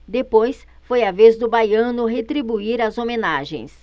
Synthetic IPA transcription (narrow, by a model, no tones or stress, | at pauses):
d̪epojs | fojavezd̪ʊbajɐ̃nʊɦet̪ɾibuiɾɐzomẽnaʒḛ̃j̃s